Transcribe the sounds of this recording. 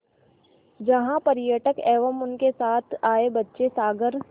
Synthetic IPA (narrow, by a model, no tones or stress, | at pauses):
d͡ʒɐɦãpɐɾjəʈəkɛːʋəmʊnkesaːt̪ʰaːebɐtːʃesaːɡəɾ